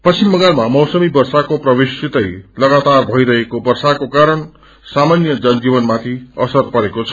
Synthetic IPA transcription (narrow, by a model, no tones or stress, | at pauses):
pʌt͡ɕimbʌŋɡalmamʌwsʌmibʌrsakoprʌbesit̪ʌjlʌɡat̪arbʱʌjɾʌɦekobʌrsakokaɾʌɳ | samanjʌd͡zʌnd͡zibʌnmãt̪ʰiʌsʌrpʌɾekot͡sʰʌ̥